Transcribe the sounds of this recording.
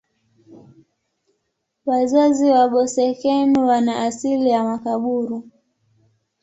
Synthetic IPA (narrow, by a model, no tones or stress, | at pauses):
wazaziwaɓɔsɛkɛnuwanaʔːsilijamakaɓuɾu